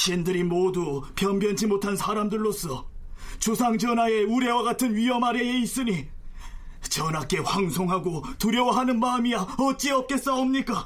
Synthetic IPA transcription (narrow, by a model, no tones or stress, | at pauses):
ɕʰindɯɾimodupjʌmbjʌnd͡ʑimotʰansʰaɾamdɯɭːos͈ʰʌt͡ɕosʰaŋd͡ʑʌnɦae̞uɾe̞waɡatʰɯnɥiɦʌmaɾe̞eis͈ɯɲi | t͡ɕʌnak͈e̞waŋsʰoŋɦaɡotuɾjʌwaɦanɯnmamijaʌt̚t͡ɕ͈iʌp̚k͈e̞s͈ʌomɲik͈a